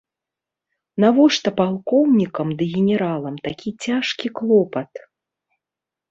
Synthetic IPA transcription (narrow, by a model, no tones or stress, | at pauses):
navɔʂt̪ɐpalˠkɔwnʲikɐmd̪ɨɣʲɛnʲɛɾalˠɐmt̪akʲit͡sʲaʂkʲiklˠɔpɐt̪